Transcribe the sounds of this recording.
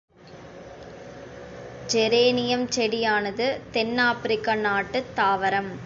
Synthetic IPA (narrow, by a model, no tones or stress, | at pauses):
d͡ʒɛɾeːnɪjɐmt͡ʃɛɽɪjaːnɐðɯt̪ɛnːaːpɾɪkːanaːʈːɯt̪ːaːʋɐɾɐm